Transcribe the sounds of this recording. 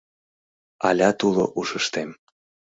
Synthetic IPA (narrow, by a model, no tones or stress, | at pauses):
ɑ̰lʲɑt̪ulo̰ʔuʃəʃt̪em